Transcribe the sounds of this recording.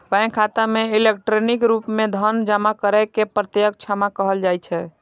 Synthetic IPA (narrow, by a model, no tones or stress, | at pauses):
pãj̃kʰat̪ameilekʈɾonikɾupmed̪ʱənd͡ʒamakəɾakepɾət̪jək̚t͡ʃʰamakəɦəld͡ʒajt͡ʃʰɛ